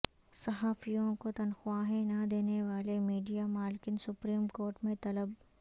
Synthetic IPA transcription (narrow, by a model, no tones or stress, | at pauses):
sɐɦaːfijõkot̪ɐnxʊwaːɦẽnɐd̪eːneʋaːlemiːɖijamaːlkɪnsʊpɾiːmkoːɾʈmẽt̪ɐləb̚